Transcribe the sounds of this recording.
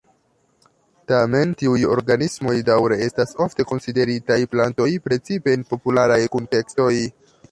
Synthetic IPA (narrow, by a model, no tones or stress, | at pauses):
tame̞ntiujo̞̰ɾɡanismo̞jdawɾe̞e̞staso̞fte̞ko̞nside̞ɾitajplanto̞jpɾe̞t͡sipe̞ːnpo̞pulaɾajkunte̞ksto̞j